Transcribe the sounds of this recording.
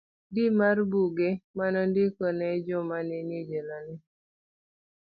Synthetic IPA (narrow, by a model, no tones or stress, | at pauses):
dimarbuɡemanɔndɪkɔnɛd͡ʒɔmanɪnid͡ʒelɔnɪ